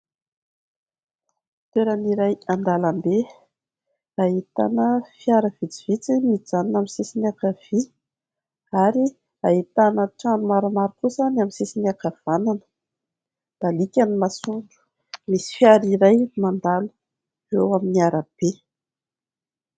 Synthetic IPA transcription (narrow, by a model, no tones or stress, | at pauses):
t̪weɾaniɾajand̪alambe | aɦit̪a̰nəfjaɾəv̥it͡siv̥it͡simid͡zaninaminsesinakav̥i | aɾi | aɦit̪anəʈ͡ʂanumaɾamaɾikuzanaminsesiniakav̥ananə̥ | d̪̥alikʲanimasuɳɖ͡ʐu̥ | misi̥fijaɾiɾajmand̪alu̥ | rewaminiaɾəb̥e